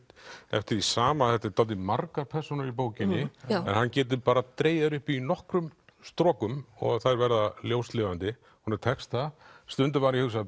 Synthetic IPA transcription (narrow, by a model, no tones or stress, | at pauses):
t̪ɛ̰ft̪ɪɾisaːmaθɛht̪ɪt̪aːt̪ɪmarkaɾpʰɛr̥sɔnʏɾip̬oːwcɪnːɪɛ̰nhancɛːt̪̬ɪpaːɾat̪ɾeːjðaðɾʏhpinɔhkɾʏmst̪ɾɔːkʏmɔ̰ɣθaɾvɛɾðaljowst̪lɪːvant̪ɪ | hunɪɾ̥t̪ʰɛkst̪ast̪ʏnt̪̬ɪvpaːɾihʏs̬a